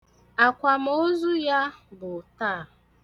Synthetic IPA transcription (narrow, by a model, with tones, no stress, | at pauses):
a˨kʷa˨m̩˦o˦zu˦ja˦bʊ˨taː˦˨